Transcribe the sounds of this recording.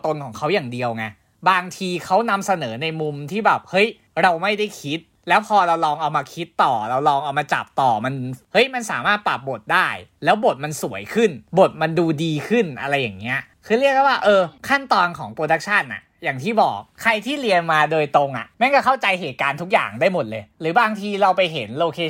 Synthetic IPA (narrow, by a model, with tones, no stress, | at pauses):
t̪o˧nkʰɔː˩˦ŋkʰa˦˥wjaː˨˩ŋdi˧əwŋa˧ | baː˧ŋt̪ʰiː˧kʰa˦˥wna˧msa˧nɤː˩˦na˧jmu˧mt̪ʰiː˥˩bɛː˨˩p̚hɤ˦˥j | ɾa˧wma˥˩jda˥˩jkʰi˦˥t̪̚ | lɛː˦˥wpʰɔː˧ɾa˧wlɔː˧ŋʔa˧wmaː˧kʰi˦˥t̪ːɔː˨˩ɾa˧wlɔː˧ŋʔa˧wmaː˧t͡ɕa̰˨˩p̚t̪ɔː˨˩ma˧nhɤ˦˥jma˧nsaː˩˦maː˥˩t̪̚pa˨˩p̚bo˨˩t̪̚daː˥˩jlɛː˦˥wbo˨˩t̪̚ma˧nsu˩˦əjkʰɯ˥˩nbo˨˩t̪̚ma˧nduː˧diː˧kʰɯ˥˩nʔa̰˧ɾa˧jːa̰˨˩ŋni˦˥ɐʔ | kʰɯː˧ɾi˥˩k̚dɛ˥˩waː˥˩ʔɤː˧kʰa˥˩nt̪ɔː˧nkʰɔ̰ː˩˦ŋpɾoː˧da˦˥k̚t͡ɕʰa˥˩nʔa̰˨˩ʔjaː˨˩ŋt̪ʰiː˥˩bɔ̰ː˨˩k̚ʰːa˧jt̪ʰiː˥˩ɾi˧ənmaː˧doː˧jt̪o˧ŋʔa̰˨˩ʔma˥˩kɔː˥˩kʰa˥˩wt͡ɕa˧jɦeː˨˩t̪̚kaː˧nt̪ʰu˦˥k̚ja̰ː˨˩ŋdaː˥˩jmo˨˩t̪̚lɤː˧jɾɯː˩˦baː˧ŋt̪ʰiː˧ɾa˧wpa˧jɦe˩˦nloː˧kʰeː˧